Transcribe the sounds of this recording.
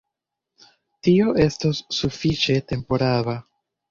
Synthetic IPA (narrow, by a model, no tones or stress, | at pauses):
tio̞ʔe̞stosːufit͡ʃe̞te̞mpo̞ɾaβa